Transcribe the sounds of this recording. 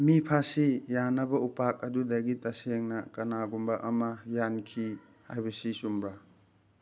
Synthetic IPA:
mipʰasijanɐbɐupak̚ɐdudɐɡitɐseŋnɐkɐnaɡumbɐʔɐmɐjankʰi | ha̰jbɐsisumbɾa

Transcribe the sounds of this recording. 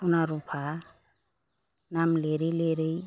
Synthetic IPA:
unaɾupʰa | namleɾeleɾej

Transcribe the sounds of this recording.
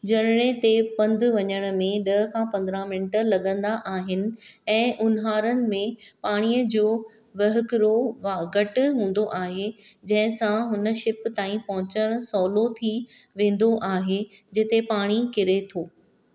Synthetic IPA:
d͡ʑɐɾɪɽ̃et̪epɐ̃nd̪ʱʋɐɲəɽ̃̆mẽɗɐɦə̆kʰãːpɐ̃nd̪ɾãmɪnʈəlɐɠə̃nd̪aʔaːɦɪnɪ̆ɛ̃ːʔʊnɦaːɾənɪ̆mẽpaːɽ̃iːəd͡ʑoː | ʋɐɦɪkɪɾoʋaɡɐʈɦũːn̆d̪oʔaːɦed͡ʑɐ̃ɦɪ̃sãɦʊnə̆ʃɪpt̪aːĩpɐɦʊ̃t͡ɕəɽ̃sɔːlot̪ʰiʋẽːn̆d̪oʔaːɦed͡ʑɪt̪epaːɽ̃ikɪɾet̪ʰoː

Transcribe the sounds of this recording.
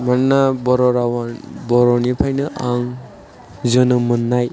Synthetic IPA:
mannabɔɾɔɾawabɔɾɔnipʰajnɯʔaŋ | zɯnɯmɯnːaj

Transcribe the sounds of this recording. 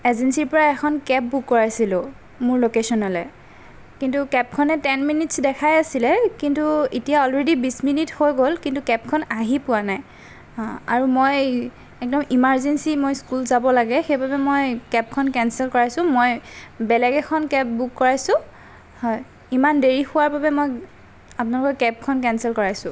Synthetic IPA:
ɛzɛnsiɹpɔɹaɛkʰɔnkɛp̚bukːɔɹajsilʊ̃ | mʊɹlokesɔnɔlɛ | kintukɛp̚kʰɔnɛtɛnminitsdɛkʰajasilɛkintuitijaɔlɹedibisminithojɡolkintukɛp̚kʰɔnaɦipʊanaj | a̰ɹumoj | ɛk̚dɔmimaɹzensimojskulzabɔlaɡɛxejbabɛmojkɛp̚kʰɔnkɛnsɛlkɔɹajsʊ̃mojbɛlɛɡɛkʰɔnkɛp̚bukːɔɹajsʊ̃ | hɔj | imandeɹixʊwaɹbabɛmoj | apʊnalʊkɔkɛp̚kʰɔnkɛnsɛlkɔɹajsʊ̃

